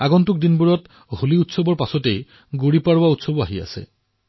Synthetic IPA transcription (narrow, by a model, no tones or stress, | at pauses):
aɡɔntuk̚dinbuɹɔt | huliutsobɔɹpasɔtej | ɡuɹipaɹwautsobɔaɦia̰sɛ̰